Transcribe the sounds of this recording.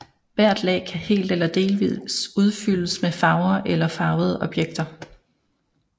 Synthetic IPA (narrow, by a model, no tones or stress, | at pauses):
ʋæɐ̰d̥lɛ̰ːɪkʰæhe̝̰ːld̥elɐd̥e̝ːlʋið̰suð̞ˠfyləsmefɑ̈ʊɐʔelɐfɑ̈ʊð̞̩ˠəʔɒ̽b̥jeɡ̥̚d̥ɐ